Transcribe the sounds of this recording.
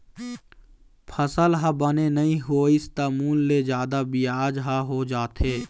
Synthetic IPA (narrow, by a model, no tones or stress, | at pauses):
pʰəsəlɦabənenəĩɦoːɪst̪aːmuːlːed͡ʒjaːd̪abɪjaːd͡ʒɦaɦod͡ʒaːt̪eː